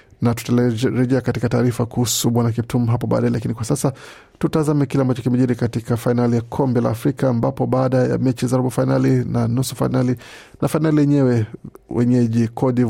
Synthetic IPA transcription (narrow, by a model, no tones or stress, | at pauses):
natu̥taɾɛʄɛakatikataːɾifakuhusuɓwanak̬ɛp̚tum̩ɦapɔɓa̰ːɗaɛlakinikwasasa | tutazamɛkilɛambat͡ʃɔkimɛʄiɾikatikafainalijakʰɔmbɛla̰ːfɾikaːmbapɔɓaːɗaja̰mɛt͡ʃizaɾaɓafainalinanusɔ̥fa̰inali | nʔafainalijɛɲɛwɛwʔɛ̰ɲɛʄikʰɔɗi